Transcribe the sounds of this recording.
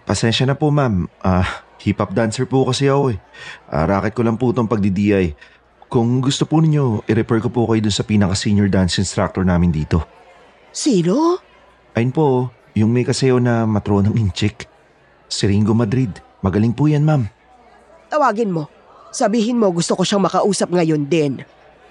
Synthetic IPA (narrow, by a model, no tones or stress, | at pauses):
pɐsɛnʃɐnɐpomamʔahipɐp̚d̪ansɛɹpukɐsɪɐko̞ɛʔa̰ɾaːkɪt̪̚kolɐŋput̪oŋpɐɡ̚d̪id̪iːʔɐj | kʊŋɡʊst̪opunɪɲːo̞ʔɪɾɛpɛɹkopukɐjod̪ʊnsɐpiːnɐkɐsiɲoɹd̪ansɪnst̪ɾak̚t̪oɹnaːmɪnd̪iːt̪o̞ | siːno | ʔɐjonpo̞ | jʊŋmɛjkɐsɐjo̞nɐmɐt̪ɾo̞nɐŋʔɪnt͡ʃɪk | sɪɾiŋɡomɐd̪ɾid̪ | mɐɡɐlɪŋpuːjanmam | t̪ɐwaːɡɪnmo̞ | sɐbiːɦɪnmo̞ɡʊst̪okoʃaŋmɐkɐʔuːsɐp̚ŋɐjo̞nd̪ɪn